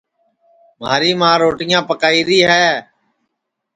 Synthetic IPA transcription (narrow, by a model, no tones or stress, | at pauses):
ma̰ːɾiːmãːɾoːʈɪjãːpəkaːiːɾiːɦɛː